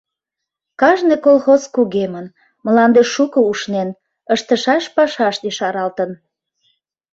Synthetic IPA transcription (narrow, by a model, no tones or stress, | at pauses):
kɑʒnekolxoskuɣemən | məlɑnd̪eʃːukouʃnen | əʃt̪əʃɑʃpɑʃɑʃd̪iʃɑɾɑlt̪ən